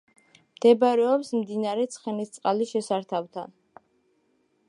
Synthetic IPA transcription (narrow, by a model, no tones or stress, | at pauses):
md̪̥ɛbɾɛɔpsmd̪inaɾɛt̪sʰχɛnist̪sʼqʼaliʃɛsaɾt̪ʰavt̪ʰa̰n